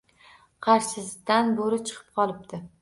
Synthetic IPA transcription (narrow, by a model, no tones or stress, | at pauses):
qʰɑɾʃɪzd̪anboɾɪt͡ʃʰɨ̥qʰɨ̥p̚qʰɒlˠɪp̚t̪ɪ